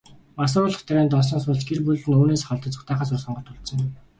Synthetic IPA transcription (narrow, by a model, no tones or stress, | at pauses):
mas̬ʊːɾʊːɮə̆χt̪ʰæɾʲæːnt̪ɔs̬ɞ̆ːnsʊːɮt͡ɕɡerpuɮɘ̆noːneːsχɔɮt̪ə̆t͡sʊ̥χt̪æːχaːsʊrsɔɴɢɞ̆t̪ʰʊɮt̪sə̆ŋ